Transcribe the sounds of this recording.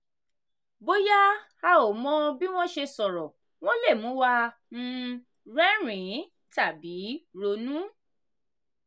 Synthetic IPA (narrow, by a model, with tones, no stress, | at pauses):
bo˦ja˦ | a˧o˨mɔ̃˧bi˦w̃ɔ̃˦ʃe˧sɔ˨ɾɔ˨ | w̃ɔ̃˦le˦˨mũ˨˦wa˧ | m̩̃˧ | ɾɛ̃˦ɾ̃ĩ˨˦ | ta˦˨bi˨˦ɾo˧nũ˦